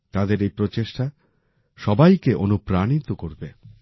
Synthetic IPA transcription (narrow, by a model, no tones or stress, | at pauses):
t̪ad̪eɾejpɾot͡ɕeʃʈa | ʃɔbajkeʔo̰nupɾañit̪okoɾbe